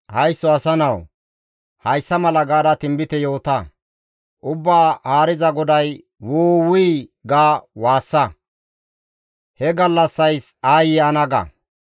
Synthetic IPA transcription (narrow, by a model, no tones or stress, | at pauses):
hɐjsːɔɐsɐnɐw | hɐjsːɐmɐlɐɡaːd̪ɐt̪ɪmbɪt̪ɛjo̞ːt̪ɐ | ʔʊbːaːhaːɾɪzɐɡɔd̪ɐj | woːwʊjɡaːwaːsːɐ | hɛɡɐlːɐsːɐjsaːjɪjaːnɐɡɐ̰